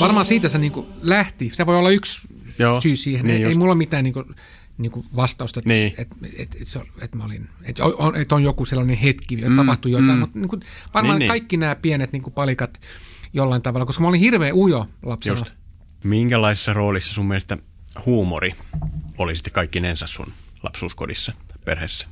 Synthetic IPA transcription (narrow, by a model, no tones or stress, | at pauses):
ʋɑrmɑːsiːt̪æseniːŋkulæht̪iseʋoiolːɑyks | joːsyːsiːheneeimulːomit̪æːniːŋku | niːŋkuʋɑst̪ɑust̪ɑet̪ːet̪eḛt̪et̪seolet̪mæolin | et̪jo̰onet̪onjokuselːɑnehet̪kit̪ɑpɑht̪ujot̪ɑimut̪niːŋkuʋɑrmɑːnekɑikːinæːpiɛnet̪niːŋkupɑlikɑt̪jolːɑint̪ɑʋɑlɑkoskɑmæolĩhirʋeːujolɑpselːɑ | miŋkælˑɑisi̥sːɑroːlisːɑsummielest̪æ | huːmoriolisi̥t̪ːe̥kɑikːinensæssṵn | lɑ̰psṵːsko̰dḭsːɑpḛrhesːæ̥